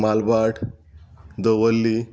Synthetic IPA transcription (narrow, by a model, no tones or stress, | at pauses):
malbaʈʰ | d̪əʋəlːi